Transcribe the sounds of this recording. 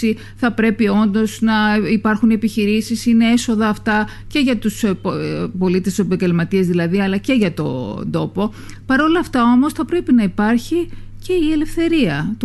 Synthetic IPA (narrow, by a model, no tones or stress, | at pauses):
i | θɐpɾe̞pio̞nd̪o̞znɐipɐɾxunepiçiɾisisine̞eso̞ðɐːft̪ɐ | ce̞ʝɐt̪us | po̞lit̪esopɐɲɡelmɐt̪iɐzðilɐðiɐlɐce̞ʝɐt̪o̞̰nd̪o̞po̞ | pɐɾo̞lɐːft̪ɐo̞mo̞sθɐpɾe̞pinɐipɐɾçi | ce̞ie̞le̞fθe̞ɾiɐt̪